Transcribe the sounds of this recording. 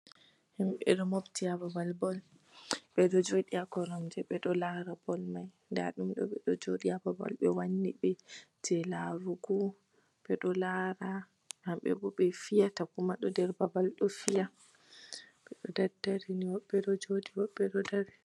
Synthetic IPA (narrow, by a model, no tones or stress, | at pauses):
himɓɛ̰ɗɔmobtiababalbɔl | ɓɛɗɔd͡ʒoɗiakɔɾɔmd͡ʒɛɓɛɗɔlaɾabɔlmaj | nda̰ɗumɗɔ̰ɓɛɗɔd͡ʒoɗiababa̰lɓɛwanːiɓɛtʰɛlaɾuɡɔ | ɓ̥ɛɗɔlaɾa | hamɓɛ̰bɔɓɛfijatakumaɗɔdɛɾbabalɗɔfija | ɓɛɗɔdadːaɾiniwɔɓːɛɗɔd͡ʒodiwɔɓːɛɗɔdaɾɛ